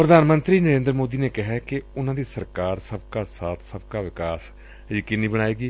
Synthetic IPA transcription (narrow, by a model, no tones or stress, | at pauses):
pɾəd̪ʱaːnmə̃nt̪ɾiːnəɾẽːnd̪ɾəmoːd̪iːneːkɪɦɛːkɪʊnãːd̪iːsəɾkaːɾsəb̚kaːsaːt̪ʰsəbkaːʋɪkaːs | d͡ʒɪkɪnːĩːbəɽ̃aːeːɡiː